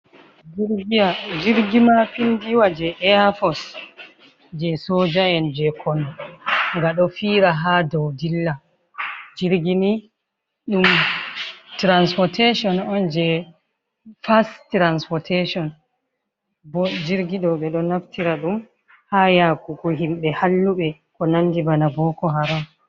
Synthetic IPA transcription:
d͡ʒiɡiad͡ʒiɾɡimapindiwad͡ʒɛʔɛafɔs | d͡ʒɛsɔd͡ʒajɛnd͡ʒɛkʰɔnɔŋɡaɗɔfiːɾaɦadɔwdilːa | d͡ʒiɾɡini | ɗum | tɾanspɔteʃɔnɔnd͡ʒɛ | fastɾanspɔtʰeʃɔn | bɔd͡ʒiɾɡiɗɔɓɛɗɔnaftiɾaɗum | hajakukɔɦimɓɛhalːuɓɛ | kɔnanːdibanabɔkɔɦaɾa

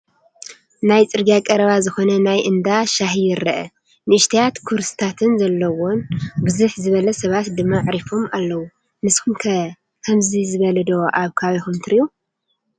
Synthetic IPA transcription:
najt͡sʼɨɾɡijakʼɐɾɐβazɨxo̞nɐnajʔɨnd̪aʃaɦijɪɾːɐʔɐ̰ | nɨʔɨʃt̪ʰijat̪kʰuɾsɨ̥t̪ʰat̪ʰɨnzɐlːɐwonbɨzuħzɨβɐlɐsɐβat̪d̪ɨmːaʕɾifomalːɐwu | nɨskʰumkʰɐ | kʰɐmzizɨβɐlɐd̪oʔaβkʰaβixumt̪ʰɨɾiju

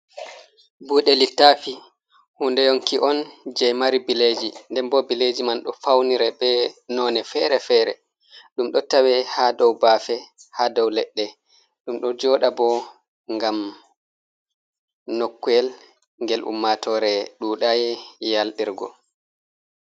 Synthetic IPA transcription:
buːɗɛlitːafi | hundɛjoŋkiʔɔnd͡ʒɛjmaɾibiled͡ʒindɛmbɔbiled͡ʒimanɗɔfawniɾɛbɛnɔːnɛfɛɾɛfɛːɾɛ̰ | ɗumɗɔtawɛhadɔwbafɛhadɔwlɛɗːɛ | ɗumɗɔd͡ʒɔːɗabɔ | ŋɡam | nokːujɛl | ŋɡɛlʔṵmːatɔɾɛɗuːɗajɛjalɗiɾɡɔ̰

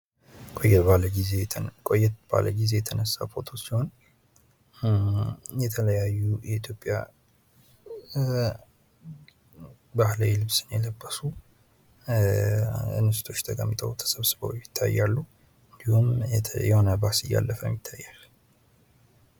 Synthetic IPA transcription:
kʼojɛaləɡizekʼojːɛt̪b̥a̰lʔə̰ɡize̞jɛt̪ʰənəsːapʰot̪ʰot͡ʃːsiho̞n | jɛt̪ʰələjajːujɛit̪ʰjo̞pʼja̰ | bahlawilɨβsɨnjɛləbːəsu | ɨ̰nːɨst̪ʰo̞t͡ʃːt̪ʰʼəkʼəmːɨt̪ʼəwt̪ʰə̥səβsɨβə̰wjɪt̪ʰːa̰jːalːu | ɨnd̪ihumjɛho̞nəbasɨjːa̰lːəfəmːɪt̪ʰːajːal

